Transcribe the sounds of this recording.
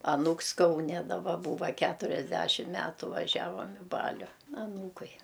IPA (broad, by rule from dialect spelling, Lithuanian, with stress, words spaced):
ɐˈnuːks kɐʊˈnʲɛ dɐˈbɐ ˈbuːʋɐ ˈkʲætʊrʲɛzʲˌdʲæʃʲɪm ˈmʲætʊ ʋɐˈʒʲæːʋɐm ɪ ˈbɑːlʲʊ ɐˈnuːkʊɪ